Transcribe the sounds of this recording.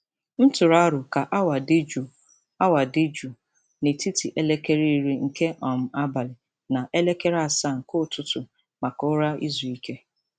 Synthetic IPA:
n̩˦tʊ˨ɾa˦ɾʊ˨ka˨ʔa˦wa˨dɪ˦d͡ʒu˨ | a˦wa˨di˦d͡ʒu˨ | ne˨ti˦ti˨ʔe˦le˦ke˦ɾi˦˨ɾi˦ŋ̩˨ke˦ʔɔ˨m̩˨a˦ba˨lɪ˨ | na˨ʔe˦le˦ke˦ɾa˦˨sa˦˨ŋ̩˨kʊ˦˨tʊ˦tʊ˨ | ma˨kʊ˦ɾa˦ḭ˦zu˨i˦ke˦

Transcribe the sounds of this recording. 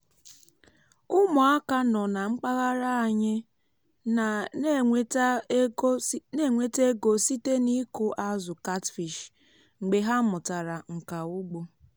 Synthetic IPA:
ʊ˦mʊ˨a˦ka˦nɔ˨na˨ŋ͡m̩˦k͡pa˦ɣa˦ɾa˦a˨ɲɪ˦ | a˨˦ | ne˦˨ŋʷe˨te˦ɡo˨si˦te˦ni˦kʊ˦ʔa˦zʊ˨ka˦tfi˨ʃ | ŋ͡m̩˨ɡ͡be˨ɦa˦mʊ˨ta˨ɾa˨ŋ̩˨ka˨ʊ˦ɡ͡bo˦

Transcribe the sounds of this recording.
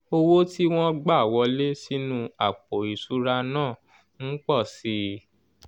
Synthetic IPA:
o˧wo˦ti˦w̃ɔ̃˦ɡ͡ba˦˨wɔ˧le˦si˦nũ˦˧a˨k͡po˨i˨su˨˦ɾa˧nãː˦˨ | n̩˦k͡pɔ˦˨si˧˦

